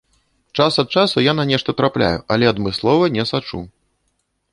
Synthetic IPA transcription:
t͡ʂasɐt̪̚t͡ʂasujananʲɛʂt̪ɐt̪ɾaplʲa̰juʔɐlʲɛɐd̪mɨslˠɔvɐnʲɛsat͡ʂṵ

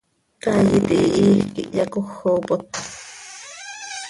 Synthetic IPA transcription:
kajit̪iːʔiːxkiʔjɑkoxːoːpot̪

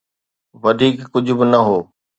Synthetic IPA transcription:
ʋɐd̪ʱiːkːʊd͡ʑʱʊbɪnɐɦoː

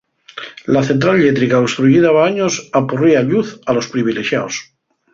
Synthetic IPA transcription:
laθent̪̬ɾalʎet̪ɾikaost̪ɾuʝiðaβaaɲosapuriaʎuθalo̞spɾiβ̞ileʃja̰os

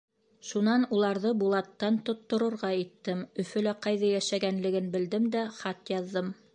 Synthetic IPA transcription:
ʃunɑnulˠɑɾðɤbulˠɑt̪ːɑnt̪ŏt̪ːŏɾɤ̆ɾʁɑit̪ːɘmɵ̆fɵ̆læqɑjðɑjæʃæɡænlɘ̆ɡɘnbɘ̆ld̪ɘmd̪æχɑt̪jɑðːɤm

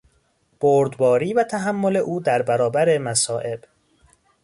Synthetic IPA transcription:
b̥oːɾd̪bɒːɾiːvæt̪ʰæɦæmːole̞ʔuːd̪æɾbæɾɒːbæɾemæsɒːʔe̞b̥

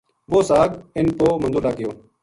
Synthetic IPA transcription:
ʋoːsaːɡɪnpoːmənd̪uːlaːkɪjoː

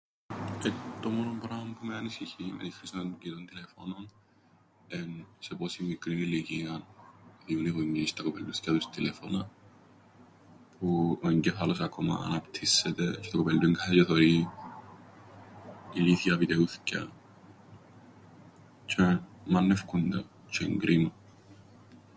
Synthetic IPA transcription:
et̪omonompɾampumeɐnisiçimḛt̪ixɾisoncit̪ont̪ilefo̰non | enseposimːikɾiniliciɐnðiuniɣuɲːist̪ɐkopeld̪uθcɐt̪ust̪ilefonɐ | pʰuoɲɟɛfalos̬akoma̰ːnapt̪ʰisːɛt̪et͡ʃɛ̥t̪okopeld̪uiŋkʰait͡ʃɛθoɾi | iliθjɐpit̪euθcɐ̰ | t͡ʃʰemanːefkund̪a | t͡ʃʰeŋɡɾʔima

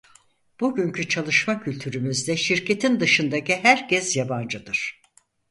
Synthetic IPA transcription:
b̥uɟyɲcyt͡ʃʰalˠɯʃmacʰylʲt̪ʰyɾymyzd̪ɛʃiɾcʰe̞t̪ʰind̪ɯʃɯnd̪aciɦæɾcʰɛsjaband͡ʒɯd̪ɯɾ̥

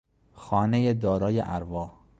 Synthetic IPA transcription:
xɒːnejed̪ɒːɾɒːjḛʔæɾvɒːh

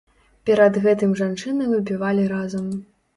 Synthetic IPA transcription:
pʲɛɾɐd̪ɣɛt̪ɨmʐant͡ʂɨnɐvʲubʲivalʲiɾazɐm

